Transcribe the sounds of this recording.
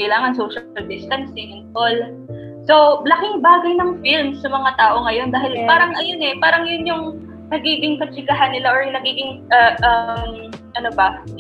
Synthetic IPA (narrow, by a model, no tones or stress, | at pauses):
kɐjlaːŋɐnsowʃɐld̪ɪst̪ɐnsɪŋɪnkol | so̞blɐkɪŋbaːɡɐjnɐŋfilmsːɐmɐŋat̪aːʔo̞ŋɐjo̞nd̪aːɦɪlpaːɾɐŋʔɐjo̞nɛpaːɾɐŋjʊnjʊŋ | nɐɡiːɡɪŋkɐt͡ʃɪɡɐɦanːɪlaʔoɹjʊŋnɐɡiːɡɪŋʔɐʔɐmʔɐnobɐ